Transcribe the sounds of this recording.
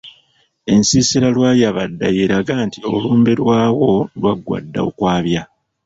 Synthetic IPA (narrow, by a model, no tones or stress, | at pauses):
e̞nsiːsiɾalwaːjaβadːajeɾaɡaːntio̞luːmbeɾwaːwo̞lwaɡːwa̰dːa̰o̰kwaːβja